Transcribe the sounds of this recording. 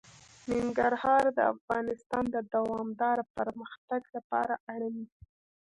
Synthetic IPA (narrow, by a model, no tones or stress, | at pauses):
nɪŋɡaɾhɑɾd̪ə̰a̰fɣɑnɪst̪ɑnd̪əd̪awɑmd̪ɑɾapəɾməxt̪aɡlapɑ̰ɾaʔaɽəni